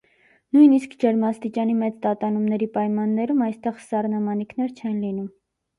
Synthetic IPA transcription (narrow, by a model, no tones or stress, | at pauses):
nujniskd͡ʒəɾmɑst̪it͡ʃɑnimɛt͡st̪ɑt̪ɑnumnɛɾipɑjmɑnːɛɾumɑjst̪ɛχsɑrnɑmɑnikʰn̪ɛɾt͡ʃʰɛnlinum